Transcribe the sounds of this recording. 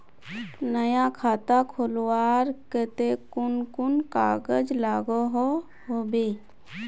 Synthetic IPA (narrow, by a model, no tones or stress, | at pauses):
nəjakʰaːt̪akʰolwaːɾkət̪ekʊnkʊnkaːɡəd͡ʒlaːɡoɦo | ɦobe